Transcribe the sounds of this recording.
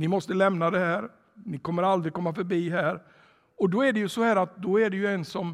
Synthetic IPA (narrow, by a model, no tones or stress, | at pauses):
nɪmɔst̪əlɛmnad̪ɛhæːɾ | nɪkɔmːəɾald̪ɾɪkɔmːafœɾbiːɦæːɾ | ɔd̪ɔæɖɛjɵsɔhæːɾat̪̚d̪ɔæɖɛjɵɛnsɔm